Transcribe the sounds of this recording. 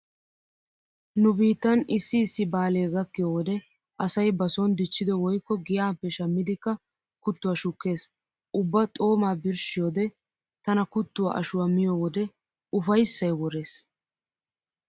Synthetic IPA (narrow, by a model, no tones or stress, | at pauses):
nʊbiːt̪ːɐnɪsːɪːsːɪbaːleːɡɐkːɪjoːwɔd̪ɛ | ʔɐsɐjbɐsɔnd̪ɪt͡ʃːɪd̪ɛwɔjkːɔɡɪjaːpːɛʃɐmːɪd̪ɪkːɐ | kʊt̪ːʊwaːʃʊkːe̞ːs | ʔʊbːɐt̪ʼo̞ːmaːbɪɾʃɪjoːd̪ɛ | t̪ɐnɐkʊt̪ːʊwa̰ːʔɐʃʊwamɪjoːwɔd̪ɛ | ʊfɐjsːɐjwɔɾe̞ːs